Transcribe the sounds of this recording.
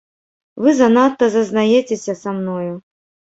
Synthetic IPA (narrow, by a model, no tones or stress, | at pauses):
vɨzɐnat̪ːɐzɐznajɛt͡sʲesʲɐsamnɔju